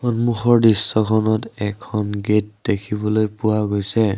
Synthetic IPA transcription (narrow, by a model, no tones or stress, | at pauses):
xɔnmuxɔɹdisːɔkʰɔnɔtɛkʰɔnɡet̚dekʰibɔlojpuwaɡojsɛ